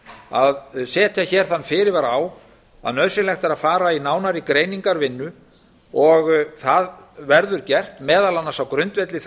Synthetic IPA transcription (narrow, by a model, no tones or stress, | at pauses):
aðsɛːt̪ʰjaçɛːɾ̥θanːfɪːɾɪɾvaɾaːw | a̰ðnœːðsɪnlɛxt̪aɾaðfaːɾainaːwnaɾɪkɾeːjniŋkaɾvɪnːʏ | ɔɣθaðvɛɾðʏɾcɛr̥t̪mɛːðalanːasawkɾʏnt̪vɛt̪lɪθ